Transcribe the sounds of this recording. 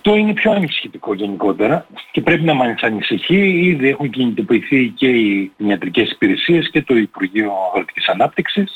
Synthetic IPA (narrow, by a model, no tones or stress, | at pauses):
ɐft̪o̞ine̞pço̞ɐnisçit̪iko̞ʝe̞niko̞t̪e̞ɾɐce̞pɾe̞pinɐmɐnsɐnisiçiiðie̞xuŋcinit̪o̞piːθice̞iiniɐt̪ɾice̞si̥piɾe̞sie̞sce̞t̪o̞ipuɾʝio̞ɐɣɾot̪i̥ci̥sɐnɐpt̪iksis